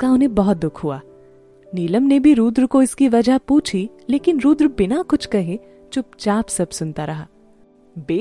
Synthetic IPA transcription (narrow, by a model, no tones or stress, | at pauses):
kaʊnɦẽbɐɦɔt̪̚d̪ʊkʰɦua̰ː | niːləmnebʱiɾuːd̪ɾkoɪskiʋɐd͡ʒʱapuːt͡ʃʰi | leːkɪnɾuːd̪ɾbɪnakʊt͡ʃʰkɐɦẽ | t͡ʃʊp̚t͡ʃaːpsɐbsʊnt̪aɾɐɦaː | beː